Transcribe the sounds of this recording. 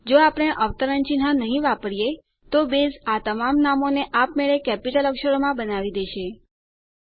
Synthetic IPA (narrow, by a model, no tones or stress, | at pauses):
d͡ʒoapəɽ̃eʔəʋt̪əɾənt͡ʃinɦãnəɦĩʋapəɾje | t̪obezat̪əmamnamoneʔapmeɭekɛpiʈələkʃəɾomãbənaʋid̪eʃe